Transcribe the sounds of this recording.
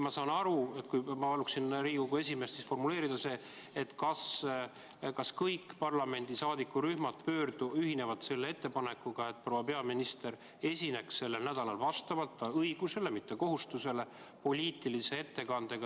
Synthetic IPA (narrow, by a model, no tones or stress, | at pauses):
mɑsɑːnɑɾue̞t̪kujmɑpɑluksinriːɡoɡue̞s̬ʲime̞st̪sisfo̞rmule̞ːɾid̪̥ɑse̞ː | et̪ːkɑs | kɑskɤjkːˑpɑrlɑme̞nʲd̪̥isɑːd̪ikːˑuɾyhmɑt̪̚pø̞ːrd̪̥uyɦine̞vɑd̪̥se̞lːe̞e̞t̪ːe̞pɑnekːˑuɡ̥ɑe̞t̪̚pro̞wɑpe̞ɑminist̪e̞ɾ | e̞sʲine̞ksse̞lːe̞lnæd̪̥ɑlɑlvɑst̪ɑvɑlt̪ːɑɤjɡ̥use̞lemit̪ːe̞ko̞ɦust̪use̞le̞ | po̞lʲiːt̪ːˑilise̞e̞t̪ːe̞kɑnd̪e̞ɡ̥ɑ